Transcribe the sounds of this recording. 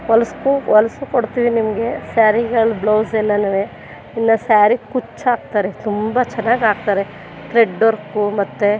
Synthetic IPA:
ʋɐlɐskuʋɐlɐsukoɽt̪iːʋinimɐɡe̞saːɾiɡɐɭbloːsɛlːɐnɐʋe | inːɐsaːɾikut͡ʃːaːɡ̚t̪aːɾet̪umbɐt͡ʃɛnːaːɡaːɡ̚t̪aːɾe | t̪ɾeɖːoɾkumɐt̪ːe

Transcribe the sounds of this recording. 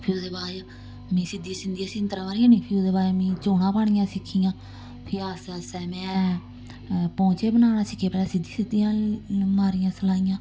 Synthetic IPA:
pʰɪɾoːd̪eːbaːja | mĩːsɪd̪iːãːsɪnd̪ijãːsɪnt̪ɾaːʋaːɾijãːnĩːpʰɪɾoːd̪eːbaːjmĩːt͡ʃoːnãːpaːɽijãːsɪkʰːijãː | pʰɪɾaːsaːsɛːmɛ̃ː | pɔ̃ːt͡ʃeːbənaːnaːsɪkʰːeːpɛaːsɪd̪iːsɪd̪ijãːmaːɾijãːsəlaːijãː

